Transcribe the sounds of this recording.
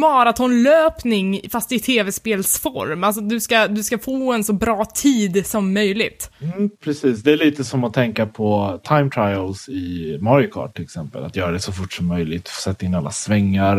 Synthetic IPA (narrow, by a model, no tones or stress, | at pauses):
mɑːɾat̪ʰɔnløːpnɪŋfast̪ɪt̪ʰeːvɛspeːlsfɔ̰ɾmals̬ɔd̪ɵskad̪ɵskafoːɛnsɔbɾɑːt̪ʰiːd̪sɔmːœjlɪɡ̚t̪ːpʰɾɛsiːsd̪ɛæɭiːt̪əsɔmɔt̪ʰɛŋkapʰɔt̪ʰajmt̪ʰɾajəlsɪmɔɾɪjʊkʰɑ̰ːɖ̚ʈʰɪlɛksɛmpə̰la̰t̪jœːɾad̪ɛsɔfʊʈsɔmːœjlɪɡ̚t̪sɛt̪ːaɪnːalːa̰svɛŋːaɾ